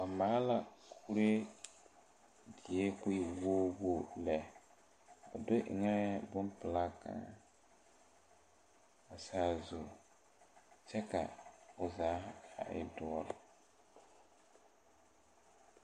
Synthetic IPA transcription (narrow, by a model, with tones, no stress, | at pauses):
a˨maː˦la˨kʰu˦ɾe˦ | dɪ˨e˦kʊ˦ɪ˨woː˦wo˦˨lɛ˨ | a̰˨do˦ʔɪ̰˨ŋɛ˦bʊ˦npɪ˨la˦ka̰˨ | a˨saː˦zu˨ | t͡ʃɛ˦ka̰˨ʊ˨zaː˨˦a̰˨ʔɪ̰˨dʊ˨˦ɔ˦l